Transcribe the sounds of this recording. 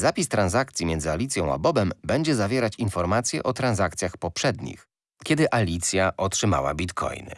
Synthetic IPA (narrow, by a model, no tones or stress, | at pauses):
zapʲist̪ɾanzakt̪sʲjimjɛnzɘalʲit̪sʲjɔ̃w̃a̰bɔbɛmbɛɲd͡ʑɛzavʲjɛɾat͡ɕinfɔɾmat̪sʲjɛʔɔt̪ɾanzakt̪sʲjaxpɔpʂɛd̪ɲḭx | kʲɛd̪ɘʔalʲit̪sʲjaʔɔtʂɘma̰wa̰bʲit̪kʰɔ̰jnɘ̰